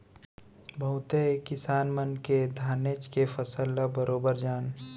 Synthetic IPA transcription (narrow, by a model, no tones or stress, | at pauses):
bʱɐɦʊt̪ekɪsaːnmənked̪ʱaːneːt͡ʃkefəsəlːabəɾoːbəɾd͡ʒaːn